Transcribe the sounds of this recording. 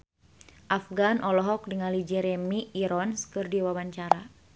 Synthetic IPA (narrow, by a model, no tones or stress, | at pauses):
ʔafɡanʔɔlɔɦɔk̚dəŋalid͡ʒɛɾɛmiiɾɔnskɨrdiwawaɲt͡ʃaɾa